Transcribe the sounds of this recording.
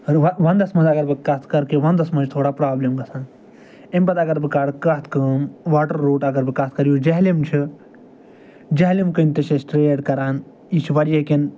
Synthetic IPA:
ʋɐʋɐnd̪ɐsmɐnzɐɡɐɾbɨkɐt̪ʰkɐɾkiʋɐnd̪ɐsmɐd͡ʒt̪ʰoːɽaːpɾaːblɐmɡɐsãːn | emʲbɐt̪ɐɡɐɾbɨkɐɽkɐt̪ʰkɐmʋaːʈɐɾːoːʈɐɡɐɾbɨkɐt̪̚ʰkɐɾjud͡ʒɐɦlimt͡ʃʰi | d͡ʒɐɦlimkɨnʲt̪ɐsesʈɾeːɖkɐɾaːn | it͡ʃʰiʋɐɽijeken

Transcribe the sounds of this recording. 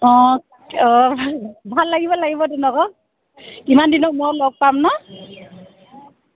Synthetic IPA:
ɔ̃ | ɔ | bʱalːaɡibɔlaɡibɔdunɔkɔ | kimandinɔmɔlɔk̚pamnɔ

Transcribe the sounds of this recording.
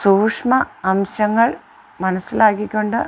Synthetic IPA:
suːkʂmɐɐmɕɐŋːɐɭ | mɐnɐsːilaːkːikʲːoɳɖɨ

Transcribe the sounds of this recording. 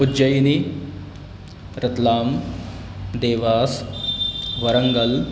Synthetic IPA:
ʊd͡ʒɐjni | ɾɐt̪laːm | d̪eːʋaːs | ʋɐɾɐŋɡɐl

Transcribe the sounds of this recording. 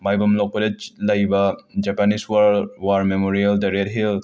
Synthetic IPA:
majbɐmlɔk̚pɔled͡ʒlɐjbɐd͡ʒapaniswawaɾmemoɾieldɐɾet̚ɦil

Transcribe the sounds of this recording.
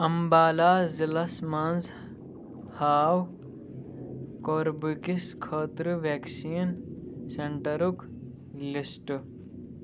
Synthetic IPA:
ɐmbaːlaːzilɐsmanz | haːw | koːɾbɨkiskʰəːt̪ɾɨʋeːksiːnseɳʈɐɾuk | lisʈ

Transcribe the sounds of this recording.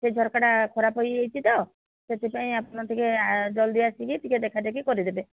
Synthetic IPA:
sed͡ʒʱɔɾkaɽakʰɔɾapɔjejt̪ʰit̪ɔ | set̪epaĩapɔñɔt̪ʰiked͡ʒɔld̪iasikit̪iked̪ekʰad̪ek̬ikɔɾid̪ebe

